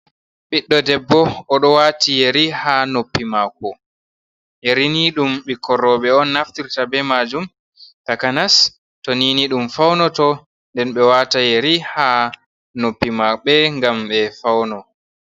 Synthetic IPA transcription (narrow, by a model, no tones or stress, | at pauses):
ɓiɗːɔdɛbːɔːɗɔwatijɛɾihanopːimakɔ | jeɾiniɗumɓikʰɔrɔːɓɛɔnːaftiɾtabɛmad͡ʒum | takanas | toniniɗumfawnɔtɔ | ndɛnɓɛwatajeɾiha | nopːimaɓɛŋɡamɓɛfawnɔ